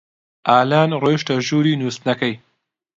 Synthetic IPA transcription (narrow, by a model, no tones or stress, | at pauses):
aːlɑːnɾoʃʈaʒuːɾinust̪nakaj